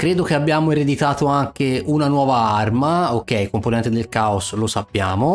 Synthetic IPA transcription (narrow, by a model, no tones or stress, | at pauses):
kɾeːd̪ok̟eabːjaːmoeɾed̪it̪aːt̪oaŋk̟eunanwɔːvaarmaok̟ːɛjkomponɛnt̪ed̪elkaoslosapːjaːmo